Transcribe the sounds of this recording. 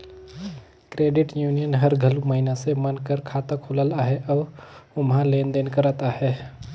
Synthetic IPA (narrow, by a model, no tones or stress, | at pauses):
kɾeːɖɪʈjuːnijənɦəɾɡʱəluməɦinasemənkəɾkʰaːt̪akʰoləlaːɦeʔɔːɾʊmɦãleːnd̪eːnkəɾət̪aːɦe